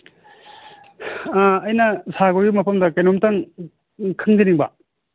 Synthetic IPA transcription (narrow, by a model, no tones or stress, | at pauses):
jnɐsaɡoɡimɐpʰɐmdɐkɐjnomtaŋ | kʰɯŋziniŋba̰